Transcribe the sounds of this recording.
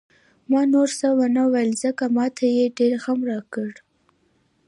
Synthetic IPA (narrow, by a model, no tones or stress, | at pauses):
mɑnoɾsawanawalzəkamɑt̪ʰajeɖeɾxamɾɑkəɽ